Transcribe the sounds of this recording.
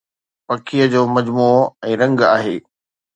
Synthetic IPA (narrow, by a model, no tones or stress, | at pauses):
pɐkʰijəd͡ʑoːmɐd͡ʑmuːɛ̃ːɾɐ̃ŋɡa̰ːɦḛː